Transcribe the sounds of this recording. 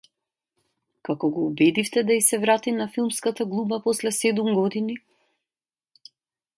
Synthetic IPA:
kakɔɡɔubɛd̪ift̪ɛd̪aisɛvɾat̪inafilˠmskat̪aɡlˠubapɔslɛsɛd̪umɡɔd̪ini

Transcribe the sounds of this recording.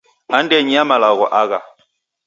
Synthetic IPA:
andɛɲiamalaɣɔʔaɣa

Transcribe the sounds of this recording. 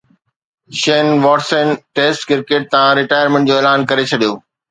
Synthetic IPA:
ʃeːnʋɔːʈsə̃nʈeːsʈkɪɾkeːʈ̚t̪ɐãɾɪʈaːjəɾmẽɳʈ̚d͡ʑoːeːlaːnkɐɾet͡ɕʰɐɗijoː

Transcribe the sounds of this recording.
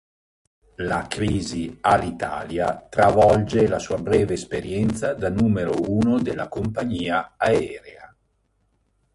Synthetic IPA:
lakɾiːzialːit̪a̰ːlja̰t̪ɾavɔld͡ʒelasuːabɾɛːveːspeɾjɛnt̪sad̪anuːmeɾouːnod̪elːakompaɲiːaaɛːɾea

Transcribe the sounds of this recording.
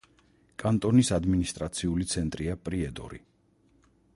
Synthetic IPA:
kʼant̪ʼɔnisad̪minist̪ʼɾat̪sʰiulit̪sʰɛnt̪ʼɾiapʼɾiɛd̪ɔ̰ɾḭ

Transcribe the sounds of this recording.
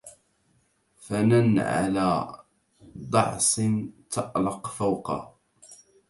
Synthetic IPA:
fananʕa̰laː | d̪ˤɑ̰ʕsˤɨnt̪ʰɑʔlɑqfawqɑ̰

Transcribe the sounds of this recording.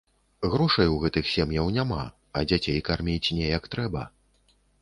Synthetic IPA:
ɣɾɔʂɐjwɣɛt̪ɨxsʲɛmjɐwnʲama̰ | ɐd͡zʲat͡sʲejkarmʲit͡sʲnʲɛjɐkt̪ɾɛbɐ

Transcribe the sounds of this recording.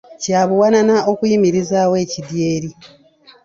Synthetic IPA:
caːβuwananao̞kujimiɾizawe̞ːcidje̞ːɾi

